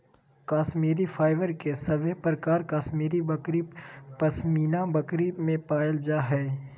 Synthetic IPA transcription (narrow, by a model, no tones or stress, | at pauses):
kaːʃmiːɾifʰaːɪʋəɾkesɐbepɾəkaːɾkaːsmiːɾibəkɾipɐsmiːnãbɐkɾimẽpaːəld͡ʒaːɦɛː